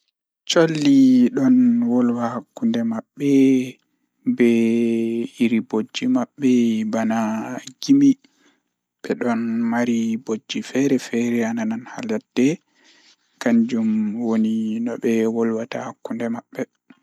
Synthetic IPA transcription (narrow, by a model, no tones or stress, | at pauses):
t͡ʃolːiɗɔnwɔlwahakːundɛmaɓːɛ | bɛ | iɾibod͡ʒːimaɓːɛbanaɡimi | ɓɛɗɔnmaɾibod͡ʒːifɛɾɛfɛɾɛanananha̰latːɛ | kaɲd͡ʒumwoninɔɓɛwɔlwatahakːundɛmaɓːɛ